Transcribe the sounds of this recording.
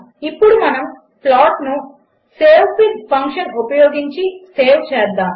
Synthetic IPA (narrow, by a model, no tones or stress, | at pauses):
ipːuɽumɐnɐm | plaːʈnu | seːwpid̪pʰɐŋkʂɐnopɐjoːɡiɲt͡ʃiseːwt͡ʃɛːd̪ːaːm